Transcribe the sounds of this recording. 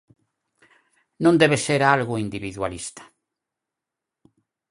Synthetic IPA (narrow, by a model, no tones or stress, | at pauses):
nõnd̪eβeseɾalɣʊind̪iβiðwa̰list̪ḁ